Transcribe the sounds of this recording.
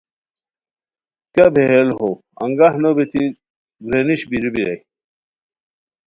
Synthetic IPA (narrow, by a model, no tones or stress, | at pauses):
kabʱeɦelɦo | ɐ̰ŋɡahnobit̪i | ɡɾeniɕbiɾubiɾɐ̰j